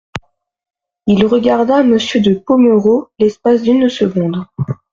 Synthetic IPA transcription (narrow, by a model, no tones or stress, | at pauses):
ilʁəɡaʁd̪aməsjød̪əpomøʁolɛspas̬d̪ynsəɡɔ̃d̪